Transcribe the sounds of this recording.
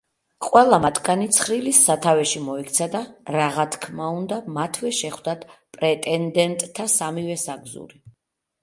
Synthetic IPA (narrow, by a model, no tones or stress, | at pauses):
qʼwɛlˠamat̪ʰɡanit̪sʰχɾilisːat̪ʰavɛʃimɔik̚ʰt̪sʰad̪aɾaʁat̪ʰkʰmaund̪amat̪ʰvɛʃɛχwd̪at̪ʰpʼɾɛt̪ʼɛnd̪ɛnt̪ʼʰːasamivɛsaɡzṵɾi